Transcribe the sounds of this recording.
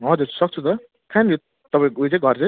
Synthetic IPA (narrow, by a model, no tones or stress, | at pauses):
ɦʌd͡zuɾsʌk̚t͡sʰut̪ʌ | kʰano | t̪ʌpaĩut͡sãɡʱʌɾt͡sʌ